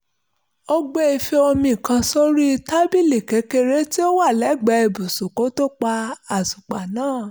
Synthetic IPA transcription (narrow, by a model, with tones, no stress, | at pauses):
o˦ɡ͡bɛ˦i˧fe˧o˧mĩ˧˨kã˧so˦ɾi˦˧ta˦bi˦˨le˨ke˨˦ke˧ɾe˦ti˦o˦wa˦˨lɛ˨˦˨ɡ͡bɛ˧˦i˧˨bu˨su˨ko˨˦to˦k͡pa˧a˨su˨k͡pa˨nãː˦˨